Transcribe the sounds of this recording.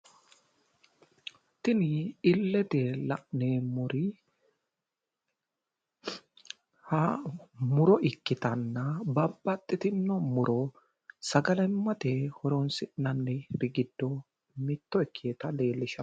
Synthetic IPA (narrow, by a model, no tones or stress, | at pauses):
t̪ɪnɪɪlːɛt̪ɛlɐʔneːmʊɾɪ | hɐmʊɾɔʔɪkːɪt̪ɐnːɐbɐbːɐt̪ʼːɪt̪ɪnːɔmʊɾɔ | sɐɡɐlɛmːɐt̪ehɔɾɔnsɪnɐnːɛbɪɡɪd̪ːɔ | mɪt̪ːɔɪkʰːeːt̪ɐle̞ːlːɪʃɐ